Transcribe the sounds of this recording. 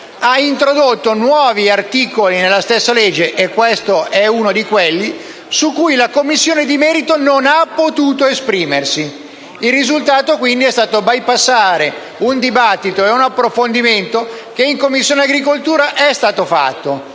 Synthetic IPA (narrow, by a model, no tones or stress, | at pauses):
aint̪ɾod̪ot̪ːonwɔːviart̪iːkolinelːast̪esːaled͡ʒːeʔekːwest̪oɛunod̪ikwelːi | sukːujlakomːisːjoːned̪imɛːɾit̪ononapːot̪uːt̪oespɾiːmersi | ilːizult̪aːt̪ok̬wind̪iɛst̪aːt̪obajpasːaːɾe | und̪ibat̪ːit̪oeunapːɾofond̪iment̪o | k̟eiŋkomːisːjoːneaɡɾikolt̪uːɾaʔɛst̪aːt̪ofa̰t̪ːo